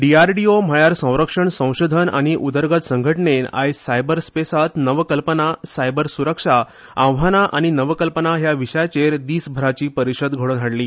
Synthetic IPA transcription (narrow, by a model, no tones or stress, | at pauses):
ɖiaɾʈiom̤əɭjaɾsə̃w̃ɾəkʂəɳsə̃w̃ɕod̪ʱəna̰ñiʔud̪əɾɡət̪səŋɡʱəʈɳena̰jsajbəɾspesat̪nəʋkəlpənasajbəɾsuɾəkʂa | ãʋʋ̤ɦanaʔaɽ̃inəʋəkəlpənaɦjaʋiʂəjt͡ɕeɾd̪iːsbʱəɾat͡ɕiːpəɾiɕəd̪ɡʱoɭonʱaɽliː